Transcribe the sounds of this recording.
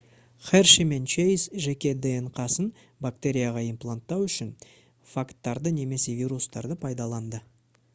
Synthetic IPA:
χerʃime̞nt͡ʃejsʒe̞kʲe̞d̪eeɴqʰɑsən | bak̚t̪e̞ɾʲijaʁɑimplˠant̪ːɑwʏʃɪn | fakt̪ːɑɾd̪əne̞me̞se̞vʲijɾust̪ɑɾd̪əpʰɑjd̪ɑlˠɑnd̪ə

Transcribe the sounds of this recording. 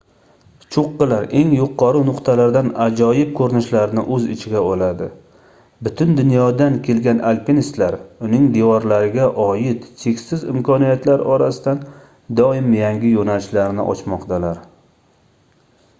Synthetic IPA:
t͡ʃʰoqːɨlaɾe̞ŋjʊqʰːɑɾɨnʊqt̪ʰalaɾd̪anad͡ʒɒjɪp̚kʰɵɾnɪʃlaɾɪnɪ̰ʔɵzɪt͡ʃʰɪɡʲabolad̪ɪ | bʊt̪ʰʊnd̪ʊnjɒd̪ankʲʰe̞lɡʲanʔalpinist̪laɾʊnɪŋd̪ewɒɾlaɾɪɡʲaʔɒjɪt̪t͡ʃʰekʲsɪzɪ̰mkʰɒnijat̪laɾɒɾasɪd̪an | d̪ɒɪmjaŋɡʲɪjonalɪʃlaɾnɪ̰ʔɒ̰t͡ʃmɒqt̪ʰalaɾ

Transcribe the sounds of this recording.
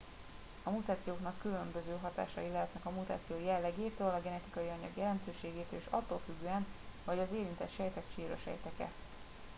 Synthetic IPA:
ɒmut̪aːt̪sijoːknɒkːylø̞mbøzøːɦɒt̪a̰ːʃɒ̰jilɛɦɛt̪nɛkɒmut̪a̰ːt̪sijoːjɛlːɛɡeːt̪øːlɒɡɛnɛt̪ikɒjiɒɲɒ̰ɡjɛlɛnt̪øːʃeːɡeːt̪øleʃɒ̰t̪ːoːlfyɡːøːɛnvɒɟɒzeːɾint̪ɛ̰t̪ʃɛjt̪ɛt̪ʃiːɾo̰ʃɛ̰jt̪ɛkɛ̰

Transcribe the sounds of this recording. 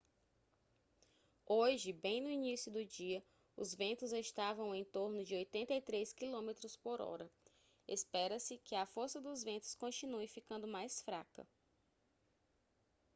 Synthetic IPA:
oʒɪbẽj̃nʊinisjʊd̪ʊd͡ʒiɐ | ʊ̰zvẽnt̪ʊzeʃt̪avɐ̃w̃ẽj̃t̪oɾnʊd͡ʒɪojt̪ẽnt̪ejt̪ɾeskilõmet̪ɾʊspoɾɔ̰ɾɐ | ḛspɛɾɐsɪkɪɐfoɾsɐd̪ʊzvẽnt̪ʊ̥skõt͡ʃĩnuɪfikɐ̃nd̪ʊmajsfɾakɐ̰

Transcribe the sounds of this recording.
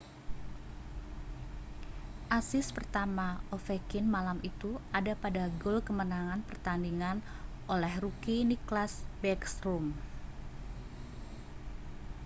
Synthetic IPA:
ʔasɪspərt̪amaofekɪnmalamʔit̪uadapadaɡolkəmənaŋanpərt̪andiŋan | ʔolɛhrukiniklasbɛksɾum

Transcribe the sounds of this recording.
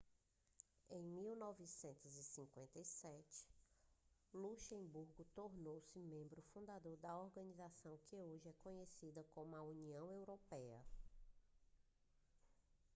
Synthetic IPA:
ẽj̃miwnɔvisẽnt̪ʊzisĩkwẽnt̪ɐjsɛt͡ʃɪ̥ | luʃẽbuɾɡʊt̪oɾnowsɪmẽmbɾʊfũnd̪ad̪oɾd̪ɐoɾɡɐ̃nizasɐ̃w̃kɪoʒɪɛkõɲesid̪ɐkõmʊɐuniɐ̃w̃ewɾopɛɐ̰

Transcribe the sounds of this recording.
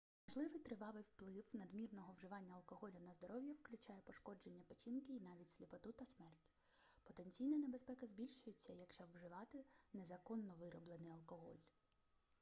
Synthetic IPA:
mɐʒlˠɪʋɪjt̪ɾɪʋɑʋɪjwplˠɪwnɐd̪mʲirnɔɦɔwʒɪʋɑnʲːɐɐlˠkɔɦɔlʲʊnɐzd̪ɔɾɔwjʊwklʲʉt͡ʃɑjɛpɔʃkɔd͡ʒe̞nʲːɐpɔt͡ʃinkɪinɑʋʲitʲsʲlʲipɔt̪ut̪ɐsmɛrtʲ | pɔt̪enʲt͡sʲijnɐne̞bespɛkɐzbʲilʲʃʊjet͡sʲːɐjɐkʃt͡ʃɔwʒɪʋɑt̪ɪnezɐkɔnːɔʋɪɾɔblˠenɪjɐlˠkɔɦɔ̰lʲ

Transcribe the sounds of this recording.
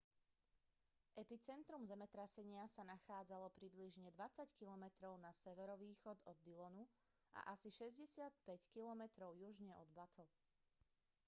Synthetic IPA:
ʔɛpit͡sɛnt̪ɾumzɛmɛt̪ɾasɛɲɪasanaxaːd͡zalɔpɾibliʒɲɛd̪ʋat͡sackilɔmɛt̪ɾɔʊnasɛʋɛɾɔʋiːxɔd̪ɔd̪ːilɔnu | ʔa̰ʔasiʃɛzɟɛsɪat̪pɛckilɔmɛt̪ɾɔʊjuʒɲɛʔɔd̪bat̪ɔl

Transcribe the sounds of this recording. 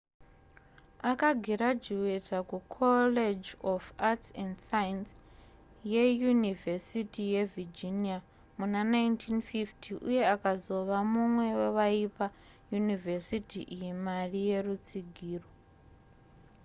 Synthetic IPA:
akaɡʱiɾad͡ʒiwetʰakukʰoled͡ʒofatsendsajins | jejunivesitijevird͡ʒinia | munanajntʰinfiftʰiʔṵjeakazo̞ʋamumwe̞weʋaipa | junivesitʰiʔijimarije̞rut͡siɡʱiːro

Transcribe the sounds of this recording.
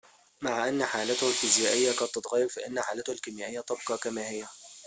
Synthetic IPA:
maʕʔanːħaːlat̪ʊhalfizjaːʔɪjːakɑːt̪ːɑt̪ˤɣæjːɑɾfaʔɪnːħaːlat̪ʊhalkɪmjaːʔɪjːat̪ɑb̚qɑkamaːhɪjːæ

